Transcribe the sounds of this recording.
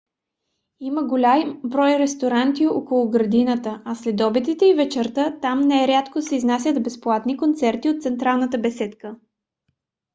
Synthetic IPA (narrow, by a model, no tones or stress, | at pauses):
iməɡolʲambɾɔjɾɛst̪oɾant̪iɔkolˠʊɡɾɐd̪inət̪əɐslɛd̪ɔbit̪it̪ɛivɛt͡ʃɛɾt̪ət̪amnɛɛɾʲat̪kosɛiznasʲət̪bɛsplˠat̪nikont̪sɛɾt̪iot̪t̪sɛnt̪ɾalˠnət̪əbɛsɛt̪kə